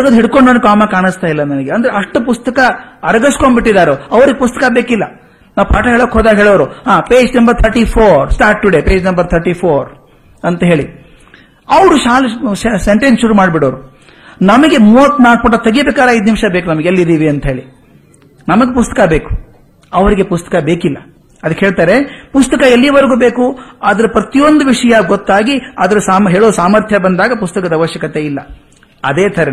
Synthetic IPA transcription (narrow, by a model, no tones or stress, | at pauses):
ɡɐd̪ɦiɽkoɳɖɐnkaːmɐkaːɳɨst̪aːjilːɐnɐnɐɡeɐnd̪ɐɾeɐʂʈupust̪ɐkɐɐɾɐɡɐskombiʈːid̪aːɾeɐʋɐɾiɡepust̪ɐkɐbeːkilːɐ | naːwpʰaːʈɐɦeːɭoːkːeɦoːd̪aɦeːɭoːɾuhaːpeːd͡ʒnɐmbɐɾt̪ʰɐɾʈipʰoːɾsʈaːɾʈ̚ːuɽepe̞ːd͡ʒnɐmbɐɾt̪ʰɐɾʈiːpʰoːɾ | ɐnt̪ɐɦe̞ːɭi | ɐʋɐɾuʃaːlsseɳʈensʃuɾuːmaːɖbiɽoːɾu | nɐmɐɡe̞muɐt̪naːk̚pɐʈːɐt̪ɐɡibeːkaːɾeɐjd̪nimʂɐbeːkunɐmɐɡeelːid̪iːʋiɐnt̪ɐɦeːɭi | nɐmɐɡepust̪ɐkɐbe̞ːku̥ | ɐʋɐɾiɡe̞pust̪ɐ̥kɐbe̞ːkilːɐ | ɐd̪ɐkːeɦeːɭt̪aːɾe̞pust̪ɐkɐelːijɐʋɐɾɡuːbe̞ːkuaːd̪ɐɾupɾɐt̪ijo̞nd̪uʋiʂɐjɐɡot̪ːaːɡiɐd̪ɐɾusaːmɦeːɭoːsaːmɐɾt̪ʰjɐbɐnd̪aːɡɐpust̪ɐkɐd̪ɐʋɐʃjɐkɐt̪e̞ilːɐ | ɐd̪eːt̪ʰɐɾe